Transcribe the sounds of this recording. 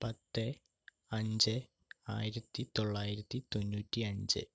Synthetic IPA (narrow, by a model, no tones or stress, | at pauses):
pɐt̪ːɨ | ɐɲd͡ʑɨ | a̰ːjiɾɐt̪ːit̪o̞ɭːaːjiɾɐt̪ːit̪o̞nːuːtːiɐɲd͡ʑɨ̰